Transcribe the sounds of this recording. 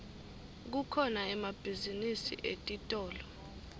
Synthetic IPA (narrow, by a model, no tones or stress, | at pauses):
k̬ukʰɔnaɛmab̥ʱizinisḭʔetʼitʼɔːlɔ